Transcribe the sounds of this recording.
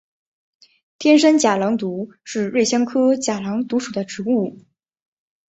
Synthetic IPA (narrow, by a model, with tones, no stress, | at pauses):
t̪ʰjɛ˥nʂ̬ə˥nt͡ɕja˨˩lɑ˧˥ŋt̪u˧˥ʂɻ̩˥˧ɻe˥˩ɪɕjɑ˥ŋkʰɤ˥t͡ɕja˨˩lɑ˧˥ŋt̪u˧˥ʂu˨˩d̪ə˦ʈ͡ʂɻ̩˧˥u˥˩